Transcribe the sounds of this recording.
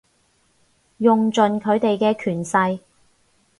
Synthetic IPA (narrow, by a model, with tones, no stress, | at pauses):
jʊ˨ŋt͡sɵ˨nkʰɵ˨˧ɥt̪e˨jkɛː˧kʰyː˨˩nsɐ˧j